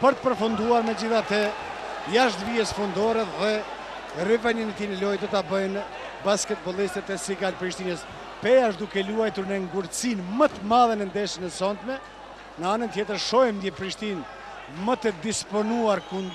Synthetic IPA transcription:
pəɾt̪ə̥pəɾfund̪uaɾmɛd͡ʑiθat̪ə | jaʃt̪viɛsfund̪ɔɾɛðɛ | rivɛnənɛt̪inɛlɔjd̪ɔt̪abəjn | baskɛt̪̚bɔlˠist̪ɛt̪ɛsiɡalpɾiʃt̪inəs | pɛjaʃd̪ukɛluajt̪uɾnɛŋɡuɾəsinmət̪əmaðɛnɛnd̪ɛʃənɛsɔnt̪mɛ | nəanənt̪jɛt̪əɾʃɔjɛmd̪jɛpɾiʃt̪in | mət̪əd̪ispɔnuaɾkund̪

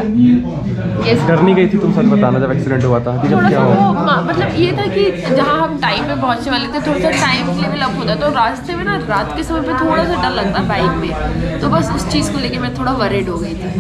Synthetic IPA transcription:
jɛskɐɾniɡɐit̪ʰit̪ʊmsɐt̪bɐt̪aːnad͡ʒɐbɛːksɪɖɛ̃ɳʈɦoaːt̪aɦɛkioːɽajaːɦoomɐmɐt̪ləbjet̪ʰakid͡ʒɐɦãɦɐ̃mʈaːɪmpẽbɔɦːʊt̪ʃʰeʋalet̪ʰet̪ʰoːɽasaʈaːɪmkelebʱilɐbɦoːt̪aɦɛt̪oɾaːst̪emẽnaɾaːt̪kesɐməd͡ʒpẽt̪ʰoːɽasaɖɐlːɐɡ̚t̪aɦbaːɪkmẽt̪obɐsʊst͡ʃiːzkoleːkemɛ̃t̪ʰoːɽaʋɐɾeːɖɦoɡɐit̪ʰi

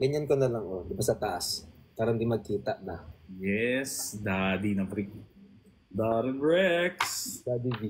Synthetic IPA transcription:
ɡɐɲankonɐlɐŋʔod̪ɪbasɐt̪ɐʔaspaːɾɐnd̪ɪnmɐɡ̚kiːt̪aʔbɐjɛsd̪ad̪inɐpɾik̚ | d̪aɾɐnɹɛksd̪aːd̪ibi

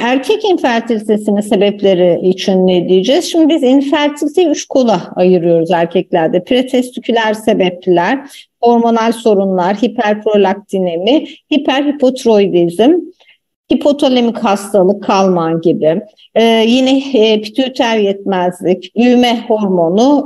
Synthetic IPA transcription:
æɾcʰɛcinfæɾt̪ʰilʲit̪ʰe̞sinise̞bɛplʲe̞ɾɪit͡ʃʰinːed̪ijid͡ʒɛz̥ʃimd̪ibizinfæɾt̪ʰilʲit̪ʰeyt͡ʃkʰo̞lˠaajɯɾɯjo̞ɾuzæɾcʰɛclʲæɾd̪ɛpʰɾet̪ʰɛst̪ʰicʰylʲæɾse̞bɛplʲæɾ̥ho̞ɾmo̞nalʲso̞ɾunlˠaɾhipʰæɾpʰɾo̞lʲak̚t̪ʰinemɪhipʰæɾhipʰo̞t̪ʰɾo̞jd̪ʲizɪm | hipʰo̞t̪ʰo̞lʲemichast̪ʰalˠɯkʰːalˠmanɟibɪː | jinɛpʰi̥t̪ʰyt̪ʰæɾjɛt̪̚mæzlʲicbyjmɛho̞ɾmo̞nu

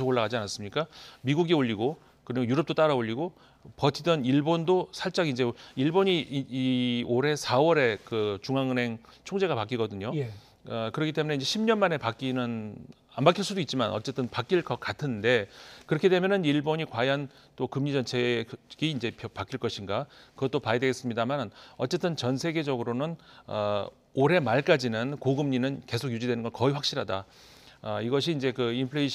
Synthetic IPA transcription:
sʰoɡoɭːaɣad͡ʑianas͈ɯmɲik͈amiɡuɡioʎːiɡo | kɯɾiɡojuɾʌp̚t͈ot͈aɾaoʎːiɡo | pʌt͡ɕʰidʌniɭbondosʰaɭt͡ɕ͈aɡind͡ʑe̞iɭboɲiioɾe̞sʰawʌɾe̞kɯt͡ɕuŋaŋɯne̞ŋ | t͡ɕʰoŋd͡ʑe̞ɡapak͈iɡʌdɯɲo | ʌkɯɾʌkʰit͈e̞mune̞ind͡ʑe̞ɕʰimɲʌnmane̞pak͈inɯn | ambakʰiɭs͈udoit̚t͡ɕ͈imanʌ̰t͡ɕ͈e̞t͈ɯnpak͈iɭk͈ʌk͈atʰɯnde̞kɯɾʌkʰidwemjʌnɯniɭboɲikwajʌn | t͈okɯmɲid͡ʑʌnt͡ɕʰe̞ɡ̥iːnd͡ʑe̞pʌpak͈iɭk͈ʌɕʰinɡakɯɡʌt͈opajedwe̞ɡes͈ɯmɲidamanʌtt͡ɕ͈e̞t͈ɯnt͡ɕʌnsʰe̞ɡe̞d͡ʑʌɡɯɾonɯnʌ | oɾɦe̞maɭk͈ad͡ʑinɯnkoɡɯmɲinɯnke̞sʰok̚jud͡ʑidwe̞nɯnɡʌnkʌiɸwak̚ɕ͈iɾɦada | ʌiɡʌɕ̬ʰiːnd͡ʑe̞kɯimpʰɭeiɕ

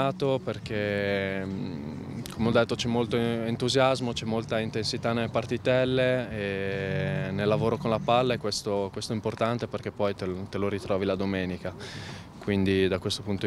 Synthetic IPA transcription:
aːt̪operk̟e | kʰomeɔd̪ːet̪ːot͡ʃɛmːolt̪oint̪uzjazmot͡ʃɛmːolt̪aint̪ensit̪anːelːepart̪it̪ɛlːee | nelːavoːɾokonlapalːeɛkwest̪okwest̪oimport̪ant̪eperk̟epːɔjt̪et̪eloɾit̪ɾɔːvilad̪omɛːnika | kwind̪id̪akwest̪opunt̪o

